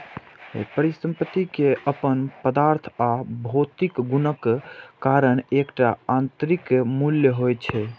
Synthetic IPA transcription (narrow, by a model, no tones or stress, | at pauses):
pəɾisə̃mpət̪ːikeəpənpəd̪aɾt̪ʰabʱot̪ikɡunəkːkaɾənekʈaant̪ɾikmuljəɦojt͡ʃʰɛ